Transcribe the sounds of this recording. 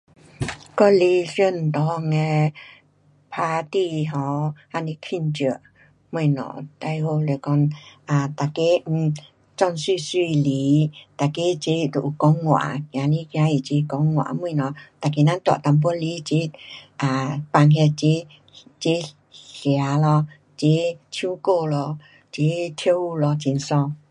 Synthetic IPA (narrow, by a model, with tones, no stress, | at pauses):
kɔ˧li˧˦fjə˧˦n̩˨t̪ɔ˧˦ŋɛ˧ | pʰa˧t̪i˧˨ɦɔ˧ha˧ni˧kʰi˧˨nt͡ɕə˧˦ʔ | mu˧˨nɔ̰˨t̪a˧jho˧le˨kɔ˧na˨˩t̪a˨ke˦˧˩ | t͡sɔ˧˨nswi˥˧˨swi˧˨li˨˧˦t̪a˨˩ke˧˦t͡ɕe˧˦˧t̪o˨ʔu˨˩kɔ˧˦ŋːwa̰˨˧˨kja˧lĩ˧˦ka˧i˨t͡ɕe˧˦kɔ˧˦ŋːwa̰˨mwẽ˧˨nɔ˨˩˨t̪a˨˩ke˧˨nã˧˥˦nt̪wa̰˨t̪a˧mp̬ɔ˧˦li˧˦t͡ɕe˧˦ʔa˨˧˩pa˧ŋɦɛ˧t͡ɕe˧˦ | t͡ɕe˧˦ | ɬja˨˧˦lɔ˧ | t͡ɕe˧˦t̪ʰjũ˦ko˧lɔ˧ | t͡ɕe˧˦t̪ʰjə˧u˧lɔ˧t͡ɕi˧nsɔ˧